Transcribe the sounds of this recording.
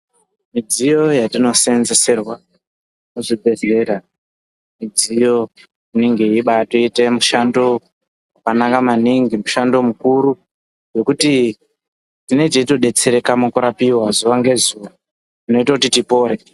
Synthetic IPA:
mid͡zijo̞jatino̞se̞nze̞se̞rwa | noʐibʱe̞ze̞ɾa | mid͡zijo̞ | ineŋɡeiɓatoitemuʃando̞ | akanakamaniŋɡimuʃando̞mukuɾu | jo̞kuti | tine̞t͡ʃeito̞ɗe̞t͡se̞ɾe̞kamokuɾapiwazuʋaŋɡe̞zuʋa | ino̞itakutitipo̞ːɾe

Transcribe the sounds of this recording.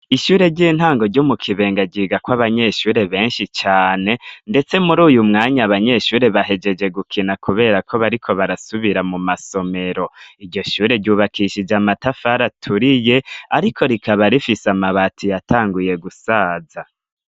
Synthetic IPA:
iʃuːɾe̞ɟiːn̥haːŋɡo̞ɾɟumukʰiβe̞ːŋɡaɟiːɡakwaβaɲe̞ʃuːɾe̞βe̞ːnʃit͡ʃaːne̞nde̞t͡se̞muɾuːjumŋaːɲaːβaɲe̞ʃuːɾe̞βaɦe̞d͡ʒe̞d͡ʒe̞ɡukʰinakʰuβe̞ːɾakʰo̞βaɾikʰo̞βaɾasuβiɾamumaso̞me̞ɾo̞iɾɟo̞ʃuːɾe̞ɾɟuːβakiʃid͡ʒamatafaɾatʰuɾije̞aɾikʰo̞ɾikʰaβaɾifisamaβatʰijatʰaːŋɡuje̞ɡusaːza

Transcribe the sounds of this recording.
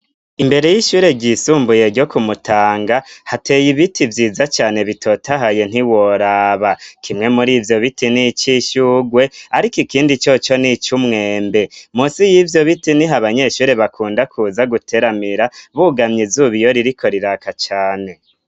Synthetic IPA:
imbe̞ɾe̞jiʃuːɾe̞ɟisuːmbuje̞ɾɟo̞kumutʰaːŋɡahatʰe̞jiβitʰivjiːzat͡ʃaːne̞βitʰo̞taɦaje̞n̥hiwoɾaːβakʰimŋe̞muɾiːvjo̞βitinit͡ʃiʃuɡwe̞aɾikikiːndit͡ʃo̞t͡ʃo̞nit͡ʃumŋe̞ːmbe̞musijivjo̞βitiniɦaβaɲe̞ʃuːɾe̞βakʰuːndakʰuːzaɡutʰe̞ɾamiɾaβuɡamɲizuβijo̞ɾiɾikʰo̞ɾiɾakat͡ʃaːne̞

